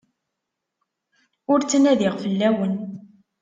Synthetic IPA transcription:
ʊɾt͡sːənæðiʁfəlːæwən

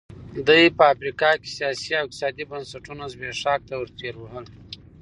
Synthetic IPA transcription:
d̪əjpəafɾikɑke̥sijɑsiawɪk̚t̪i̥sɑd̪ibənsaʈunozbeʂɑk̚t̪awəɾt̪eɾwəɦəl

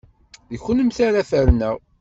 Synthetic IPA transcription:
əçənəmθaɾæfəɾnæʁ

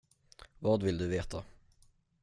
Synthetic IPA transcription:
vɑːd̪vɪld̪ɵveːt̪ʰa

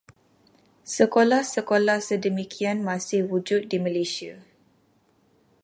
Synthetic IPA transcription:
səkolahsəkolahsədəmikʰianmãsɪhwud͡ʒʊt̪̚diməlesia

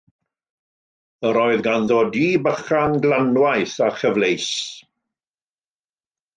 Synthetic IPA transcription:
əɾɔːɨðɡanðoːdiːbəχanɡlanwajθaχəvlejs

